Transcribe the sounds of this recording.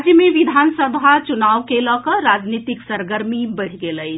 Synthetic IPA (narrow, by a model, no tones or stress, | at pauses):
d͡ʒjəmeʋid̪ʱansəd̪ʱat͡ʃunaʋkelɔkəɾad͡ʒnit̪iksəɾɡəɾmibəɽ̤ɡeləjt͡ʃʰ